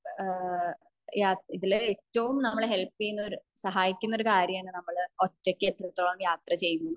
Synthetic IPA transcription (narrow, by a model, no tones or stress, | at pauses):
jaːiðileːtːɐʋumnɐmːɐɭeɦelpːejːunːoɾusɐɦaːjikʲːunːoɾukaːɾjɐmaːɳɨnɐmːɐɭo̞tːekʲːɨet̪ːrɐt̪ːoːɭɐːnjaːt̪rɐt͡ɕe̞jːunːuu